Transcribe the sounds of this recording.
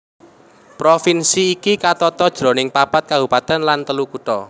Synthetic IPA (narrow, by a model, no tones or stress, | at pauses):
pɾofinsiːkikat̪ɔt̪ɔd̥ʒ̥ɾo̤nɪŋpapat̪̚kabupat̪ɛnlant̪əlukut̪ɔ